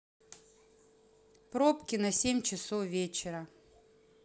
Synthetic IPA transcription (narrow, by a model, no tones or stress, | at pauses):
pɾopkʲɪnɐsʲemʲt͡ɕɪsofvʲet͡ɕɪɾə